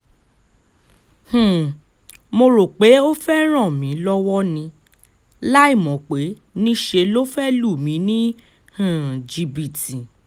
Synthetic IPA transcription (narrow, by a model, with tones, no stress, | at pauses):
h̩˨ | mo˧ɾo˨k͡pe˨˦o˦fɛ˦ɾ̃ɔ̃˦˨mĩ˨˦lɔ˦wɔ˦nĩ˧ | la˦i˦˨mɔ̃˨k͡pe˨˦ | nĩ˦ʃe˧lo˦fɛ˦lu˦˨mĩ˨˦nĩ˦ | hũ˦˨d͡ʒi˧bi˨ti˨